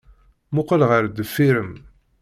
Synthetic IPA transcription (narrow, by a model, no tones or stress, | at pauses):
mʊqəlʁəɾd̪əfːiɾəm